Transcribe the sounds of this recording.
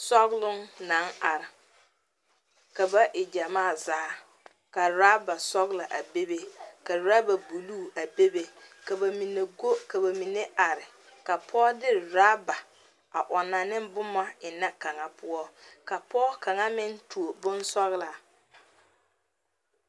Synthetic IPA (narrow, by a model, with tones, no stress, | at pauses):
sɔ˦ɣlʊ˦ŋna˦na˨ɾɪ˨ | ka˨ba˦ʔɪ˨d͡ʒa˨maː˦˨zaː˨˦ | ka˨ɾa˦ba˨sɔ˦ɣla˨ʔa˨be˦be˦ka˨ɾa˦ba˨bu˨luː˦˨a˨be˦be˦ka˨ba˨mi˨ne˨ɡo˦ka˨ba˨mi˨ne˦a˨ɾɪ˨ | ka˨pʰɔː˦dɪ˦ɾɾaː˦ba˨ | a̰˨ʔɔ˨na˨nɪ˦mbʊ˦ma˦ɪ˨na˦ka˨ŋa˨pʰʊ˦ɔ˦ka˨pɔ˦ka˨ŋa˦mɪ˦ntu˨o˨bʊ˦n˦sɔ˦ɣla˨